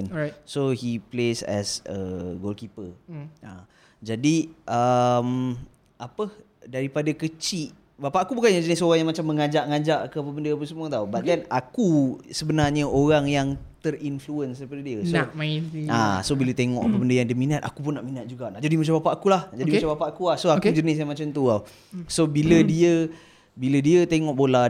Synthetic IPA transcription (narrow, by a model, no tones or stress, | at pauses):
nsohiplesɛ̰sə̰ɡolkipəa | d͡ʒadiʔəm | ʔapə | daɾipadakət͡ʃiʔ | bapaʔakubukanjãd͡ʒənɪsoɾaŋjaŋmat͡ʃamːə̃ŋad͡ʒaʔŋad͡ʒaʔkəapəbəndəap̬əsəmut̪aubat̪̚d̪ɛnakusəbənarɲəʔoɾaŋjaŋt̪ərinfluənsəpədədiəsomaia̰sobilət̪eŋɔ̰ʔapəbəndəjaŋdəminat̪akupʊnːaʔminat̪̚d͡ʒuɡaʔna̰ʔd͡ʒadimat͡ʃambapaʔakulahnaʔd͡ʒadimaabapaʔakulahsoakud͡ʒənɪs̬jaŋmat͡ʃamt̪uaw | sobilədiə | bilədiət̪eŋɔʔbola